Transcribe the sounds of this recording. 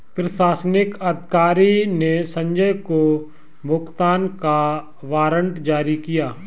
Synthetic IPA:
pɾɪʃaːsnɪkɐd̪ʱɪkaːɾinesɐ̃ɲd͡ʒəjko | bʱʊkt̪aːnka | ʋaːɾə̃ɳʈd͡ʒaːɾikijaː

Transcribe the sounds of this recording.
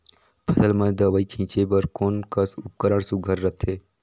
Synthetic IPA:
pʰəsəlmãd̪əʋaːit͡ʃʰĩːt͡ʃebəɾkoːnkəsʊp̚kəɾaɽsuɡʱəɾːət̪ʰeː

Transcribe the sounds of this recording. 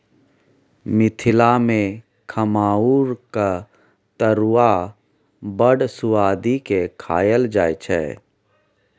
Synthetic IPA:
mɪt̪ʰɪlamẽ | kʰəmaːuːɾka | t̪əɾuwa | bəɽsʊaːd̪ikekʰa̰ːjəld͡ʒaːjt͡ʃʰɛ̰

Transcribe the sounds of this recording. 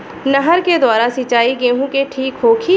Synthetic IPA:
nɐɦəɾked̪waːɾasɪt͡ʃaːiɡeːɦũkeʈʰiːkɦoːkʰiː

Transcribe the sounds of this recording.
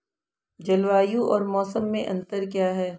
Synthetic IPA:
d͡ʒɐlʋaːjũʔɔːɾmɔːsəmːẽʔɐ̃nt̪əɾk̬jaːɦɛː

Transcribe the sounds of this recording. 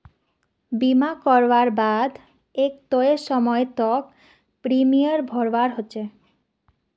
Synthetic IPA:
bimakɔɾbaɾbad̪ʱ | ek̚t̪oeʃɔmɔet̪ɔk̚ | pɾimijaɾbʱɔɾbaɾɦotːɕʰe

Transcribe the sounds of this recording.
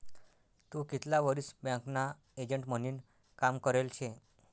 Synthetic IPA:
t̪ũkit̪laʋəɾisbjãkna | ed͡ʑəɳʈməniːn | kamkəɾelt͡ɕʰe

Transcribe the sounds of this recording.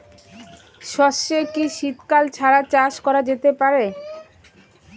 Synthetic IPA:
ʃɔʃekiʃit̪kalt͡ɕʰaɾat͡ɕaʃkɔɾad͡ʑet̪epaɾe

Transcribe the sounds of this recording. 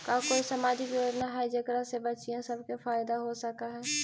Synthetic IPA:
kaːkoːisɐmaːd͡ʒɪkjoːd͡ʒnaɦaid͡ʒɐkɾasebɐt͡ʃijãsɐbkefaːɪd̪aɦosəkaɦɛː

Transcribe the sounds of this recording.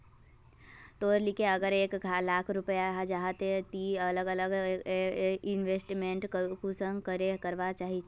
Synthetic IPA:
t̪oːɾlikeəɡəɾeːkɡʱalaːkʰɾupəjaɦd͡ʒaɦət̪et̪iələɡələɡ | ɪnʋesʈmeɳʈkusə̃ŋɡkəɾekəɾʋat͡ʃaːɦit͡ʃʰ

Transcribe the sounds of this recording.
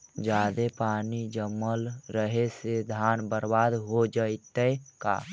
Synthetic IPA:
d͡ʒaːd̪epaːnid͡ʒəmːəlɾəɦesed̪ʱaːnbəɾbaːd̪ɦod͡ʒəɪt̪əeka̰ː

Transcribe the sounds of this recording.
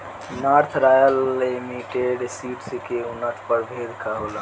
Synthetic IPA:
naɾt̪ʰɾajəlːimiʈeɖsiʈsikeunət̪ʰpəɾbʱed̪kaɦolə

